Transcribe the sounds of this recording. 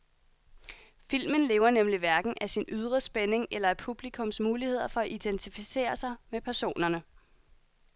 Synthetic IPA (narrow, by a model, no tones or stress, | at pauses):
fil̰mənle̝ːʊɐnemliʋæɐɡ̥n̩ʔæsinyð̞ˠʁɐsb̥ene̝ŋelɐæɐpʰub̥likʰɔ̽msmuːlihe̝ð̞̰ˠɐfɒ̽æʔid̥ent͡sʰifise̝̰ːɐsɑ̈ɪmepʰæɐso̝̰ːnɐnə